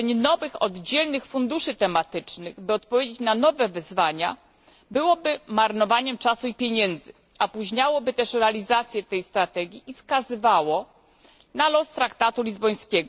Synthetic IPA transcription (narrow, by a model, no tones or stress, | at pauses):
ɲnɔvɘxɔ̰d̪d͡ʑɛlnɘxfund̪uʂɘt̪ɛmat̪ɘt͡ʂnɘɣbɘɔt̪̚pɔvʲjed͡ʑet͡ɕnanɔvɛvɘzvaɲa | bɘwɔbɘmaɾnɔvaɲɛmt͡ʂasuipʲjeɲɛnd̪zɘ | apuʑɲawɔbɘt̪ɛʂɾɛalʲizat̪sʲjɛt̪ɛjst̪ɾat̪ɛɡʲiʔiskazɘvawɔ | nalɔst̪ɾakt̪at̪ulʲizbɔj̃skʲɛɡɔ